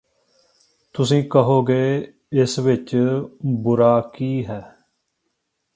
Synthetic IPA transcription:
t̪ʊsĩːkəɦoːɡeː | ɪsʋɪt͡ʃ | bʊɾaːkiːɦɛː

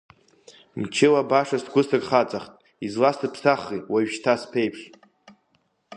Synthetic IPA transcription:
mt͡ʃʰɪlabaʂasɡʷʊsakʼχat͡sʼaχtʼ | izlastɨpʰsaχiwaɥʃtʰaspʰejpʰʂ

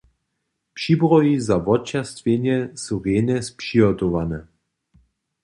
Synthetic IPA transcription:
pʃibʁɔizavɔt͡ʃast̪vʲenjɛsuʁenɛspʃiɦɔt̪ovanɛ

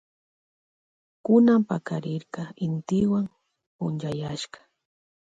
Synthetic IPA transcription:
kʊnampakaɾɪɾkɑɪnt̪ɪwam | pʊnt͡ʃajaʃkɑ̥

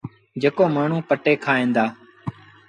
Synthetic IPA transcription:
d͡ʒekoːmaːɳ̤ũːpəʈeːkʰaːẽːnd̪aː

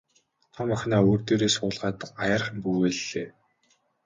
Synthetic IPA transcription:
t̪ʰamœxʲnaːoːrt̪eːɾeːsʊːɮʁaːt̪ajarχə̆mpuweːɮeː

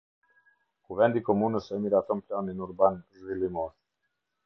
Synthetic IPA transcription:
kuvɛnd̪ikomunəsɛmiɾat̪əmplʲaninuɾbanzvilimɔs

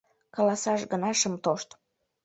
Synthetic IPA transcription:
kɑlɑsɑʃɡənɑʃəmt̪oʃt̪

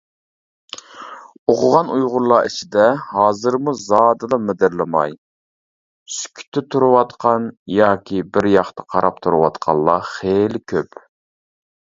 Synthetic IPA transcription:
oqʰʊʁɑnujʁʊɾlˠɑːit͡ʃʰid̪ɛhɑːzɨɾmuzɑːd̪ɨd̪ɑmɪd̪ɪɾlɪmɑ̰j | sy̥kʲʰy̥t̪ʰːɪt̪ʰuɾuwɑt̪qʰɑnjɑːkʲʰibɪɾjɑχt̪ɑqʰɑɾɑp̚t̪ʰuɾuwɑt̪qʰɑlˠːɑ̰χelɪkʲʰøp

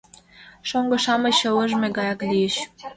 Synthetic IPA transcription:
ʃoŋɡɤ̆ʃɑmɤ̆ɕɤ̆lɤ̆ʒmʲeɡɑjɑklʲijəɕ

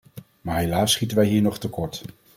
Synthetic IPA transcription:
maːɹɦelaːsːχitənʋɛjɦiːɹnɔχtəkɔɹt

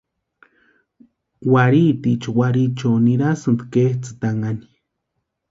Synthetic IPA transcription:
waɾit̪it͡ʃowaɾit͡ʃoniɾasɨnd̪keht͡sɨ̥t̪aŋani̥

